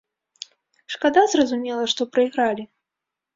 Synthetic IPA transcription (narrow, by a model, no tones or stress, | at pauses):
ʂkad̪azrɐzumʲɛlˠɐʂt̪ɔpɾɐiɣɾalʲi